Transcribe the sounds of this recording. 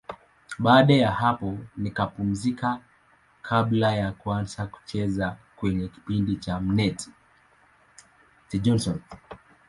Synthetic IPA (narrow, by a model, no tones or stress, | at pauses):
ɓaːɗajaɦapɔnikapum̩zika | kʰaɓlajakuanzaku̥t͡ʃɛzakwɛɲɛki̥pindit͡ʃam̩nɛti̥ | tid͡ʒɔnsɔn